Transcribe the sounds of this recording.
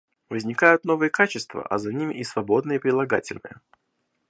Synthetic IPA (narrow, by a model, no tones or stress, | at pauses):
vəzʲnʲɪkajʊt̪no̞vɨjəkat͡ɕɪst̪və̰ʔɐ̰zɐnʲimʲɪʔisvɐbo̞d̪nɨjəpɾʲɪlˠɐɡa̰tʲɪlʲnɨ̰jə̰